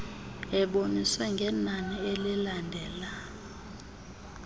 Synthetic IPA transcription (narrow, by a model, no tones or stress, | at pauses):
ɛɓoniswɛŋɡʱɛnanielɛlandʱɛːla